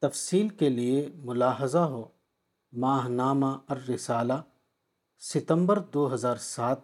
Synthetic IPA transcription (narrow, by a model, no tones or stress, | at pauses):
t̪ɐfsiːlkeliemʊlaːɦəzaɦoː | maːɦnaːmaɐɾːɪsaːla | sɪt̪ə̃mbəɾd̪oːɦɐzaːɾsaːt̪̚